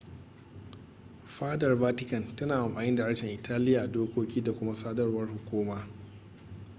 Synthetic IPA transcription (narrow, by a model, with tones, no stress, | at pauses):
ɸaː˦dɐ˨rvaː˦tɪ˦kɐ˨ntɐ˦naː˨ʔa˨mɸaː˨nɪ˦nda˨ʔɐ˦ʃɛ˨ŋʔɪ˨tʰaː˦lɪ˦jaː˨doː˦kʷoː˦kʲiː˦da˨kʷʊ˦ma˦saː˦dɐ˦rwɐ˦rhʊ˨kʷuː˦maː˦